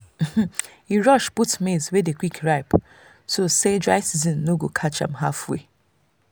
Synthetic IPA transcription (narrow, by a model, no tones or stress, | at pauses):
h̩ | iɹɔʃputmezwedekwikʰɹaɪp | sosedɹaɪsizɔ̃nːoɡokʰat͡ʃã̰mɦafwḛ